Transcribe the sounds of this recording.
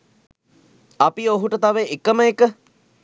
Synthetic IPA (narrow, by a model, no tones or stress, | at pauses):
ɐpioɦuʈət̪aʋeʔekəməekə